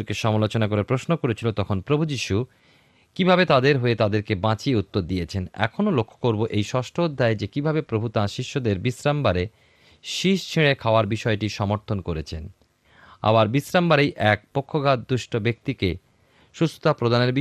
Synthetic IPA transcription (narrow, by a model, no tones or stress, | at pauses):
ɾkeʃɔmalot͡ɕonak̬oɾepɾosnokoɾet͡ɕʰilot̪ɔkʰonpɾobʱud͡ʑiʃu | kibʱabet̪ad̪eɾɦoet̪ad̪eɾkebãt͡ɕieut̪ːoɾd̪ijet͡ɕʰenɛ̰kʰonolokʰːo̥koɾboʔejʃɔʃʈʰood̪ʱːaed͡ʑekibʱabepɾobʱut̪ãʃiʃːod̪eɾbisɾambaɾe | ʃiʃt͡ɕʰeɽekʰaoaɾbiʃɔeʈiʃɔmoɾt̪ʰonkoɾet͡ɕʰen | a̰baɾbisɾambaɾejʔɛk̚pokʰːoɡad̪̚d̪uʃʈʰobek̚t̪ike | ʃust̪o̥t̪apɾod̪ʱaneɾbi